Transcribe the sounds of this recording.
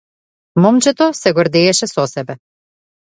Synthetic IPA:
mɔmt͡ʃɛt̪ɔsɛɡɔɾd̪ɛɛʃɛsɔsɛbɛ

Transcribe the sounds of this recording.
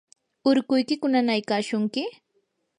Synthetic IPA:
ʊɾkʊjkɪkʊnanajkaːʃʊŋkɪ

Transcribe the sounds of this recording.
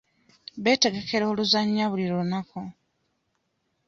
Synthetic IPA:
βe̞ːte̞ɡe̞kʰe̞ɾo̞ːluzaɲːaβuliɾounako

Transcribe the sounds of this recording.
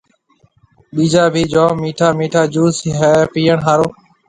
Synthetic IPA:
ɓiːd͡ʒaːbʱiːd͡ʒõːmiːʈʰaːmiːʈʰaːd͡ʒuːsɦɛːpiːəɳɦaːɾoː

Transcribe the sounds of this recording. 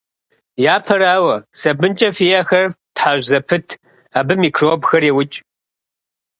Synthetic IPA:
jaːpʰɐraːwɐsɐbɨnt͡ʃʼɐfijɐxɐrtħaːʒzɐpʰɨtʰ | aːbɨmiːkʰroːbxɐrewʊt͡ʃʼ

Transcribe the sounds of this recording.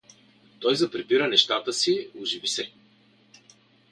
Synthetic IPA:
t̪ɔjzɐpɾɛbiɾənɛʃt̪at̪əsiʊʒivisɛ

